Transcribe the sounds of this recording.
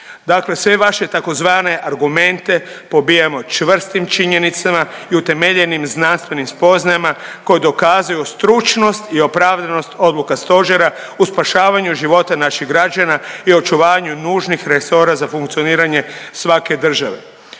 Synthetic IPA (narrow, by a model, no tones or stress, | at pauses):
d̪akle̞sʋe̞ʋaʃe̞t̪ako̞zʋaːne̞ʔaɾɡume̞nt̪e̞po̞bijemo̞t͡ʃʋr̩st̪imt͡ʃiɲe̞nit̪samaiut̪e̞meʎenimznanst̪ʋe̞nimspo̞znajimako̞jed̪o̞kaːzajust̪ɾut͡ʃno̞st̪io̞pɾaːʋd̪ano̞st̪o̞d̪lukast̪o̞ʒeɾa | uspaʃaːʋaɲuʒiʋo̞t̪anaʃiɣɡɾad͡ʒanaio̞t͡ʃuʋaːɲunuːʒnixɾe̞so̞ɾazafuŋkt̪sio̞niːɾaɲe̞sʋake̞d̪r̩ʒaʋe̞̰